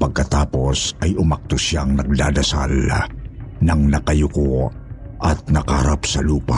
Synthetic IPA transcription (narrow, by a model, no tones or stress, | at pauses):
pɐɡ̚kɐt̪aːpo̞sɐjʊmɐk̚t̪ʊsjaŋnɐɡ̚d̪aːd̪ɐsa̰l | nɐŋnɐkɐjʊkoʔɐt̪̚nɐkahɐɾapsɐluːpa